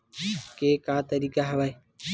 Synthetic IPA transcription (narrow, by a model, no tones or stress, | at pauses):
keːkaːt̪əɾiːkaɦəʋaːeː